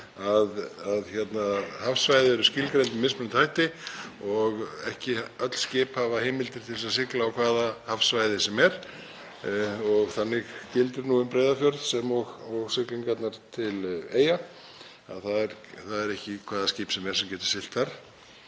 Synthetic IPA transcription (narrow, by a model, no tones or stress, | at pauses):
aðaðçɛt̪nahafsvajðɪɛɾʏscɪlkɾejnt̪ɪmɪspnt̪ʰhajht̪ɪɔɣɛhcɪœt̪l̥scɪːphavaheːmɪlt̪ɪɾ̥t̪ʰɪlsaðs̬ɪklaawkʰvaːðahafsvajðɪsɛmɛɾ̥ | ɔɣθanːɪɣcɪlt̪ʏɾnuːʏmpɾejðafjœɾðsɛmɔɣaɣsɪkliŋkat̪naɾ̥t̪ʰɪleːja | a̰ðθaðɛɾθaðɛɾɛhcɪkʰvaːðascɪːpsɛmɛɾ̥sɛmcɛːt̪ʏ̥ɪl̥t̪θaɾ̥